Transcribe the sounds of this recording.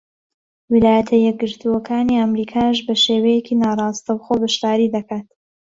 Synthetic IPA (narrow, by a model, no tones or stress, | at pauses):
wilaːjɐt̪ʰɐjɛk̚ɡɨɾt̪ʰuwɐkʰaːniɐmɾiːkʰaːʃ̬bɐʃeːwejekiːnaːrˤɑːst̪ɐwχoːbɨʃt̪aːɾiːd̪ɐkaːt̪